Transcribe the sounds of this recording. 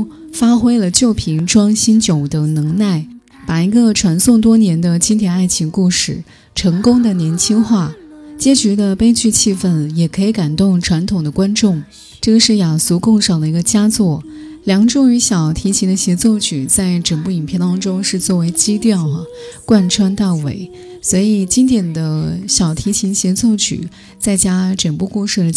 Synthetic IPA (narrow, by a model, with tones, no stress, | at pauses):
fa˥xwe˥ɪlə˧t͡ɕjo˥˩ʊpʰi˧˥ŋʈ͡ʂwɑ˥ŋɕi˥nt͡ɕjo˨˩ʊd̪ə˨˩ŋnɤ˧˥ŋna˥˩ɪ | pa˨˩i˧˥ɡə˧ʈ͡ʂʰwa˧˥nsʊ˥˩ŋt̪̬wɔ˥njɛ˧˥nd̪ə˧t͡ɕʰi˥ŋt̪ʰjɛ˨˧˩na˥˩ɪt͡ɕʰi˧˥ŋku˥˩ʂɻ̩˥˩ | ʈ͡ʂʰɤ˧˥ŋkʊ˥ŋd̪ə˨njɛ˧˥nt͡ɕʰi˥ŋxwa˥˩ | t͡ɕjɛ˥t͡ɕy˧˥d̪ə˧pe˥ɪt͡ɕy˥˧t͡ɕʰi˥˧fə˥˩njɛ˨˩kʰɤ˧˥i˧˥ka˨˩nt̪ʊ˥˩ŋʈ͡ʂʰwa˧˥nt̪ʰʊ˨˩ŋd̪ə˦kwa˥nʈ͡ʂʊ˥˩ŋ | ʈ͡ʂɤ˥˩ɡə˩ʂɻ̩˥˩ja˨˩su˧˥kʊ˥˧ŋʂɑ˨˩ʊd̪ə˦i˧˥ɡə˧t͡ɕja˥t͡swɔ˥˩ | ljɑ˧˥ŋʈ͡ʂʊ˥˩ŋy˧˥ɕjɑ˨˩ʊt̪ʰi˧˥t͡ɕʰi˧˥d̪ə˧ɕi˧˥t͡swɔ˥˩t͡ɕʰy˨˩t͡sa˥˩ɪʈ͡ʂə˨˩npu˥˩i˨˩npʰjɛ˥˧nt̪ɑ˥ŋʈ͡ʂʊ˥ŋʂɻ̩˥˧t͡swɔ˥˩we˧˥ɪt͡ɕi˥t̪jɑ˥˩ʊɐ˩kwa˥˩nʈ͡ʂʰwa˥nt̪a˥˩ɪwḛ˨˥˩ɪ | swɔ˧˥i˨˩t͡ɕi˥nt̪jɛ˨˩nd̪ə˦ɕjɑ˨˩ʊt̪ʰi˧˥t͡ɕʰi˧˥nɕə˧t͡swɔ˥˩t͡ɕʰy̰˨˩˦ | t͡sa˥˩ɪt͡ɕja˥ʈ͡ʂə˨˩npu˥˧ku˥˧ʂɻ̩˥˩ə˩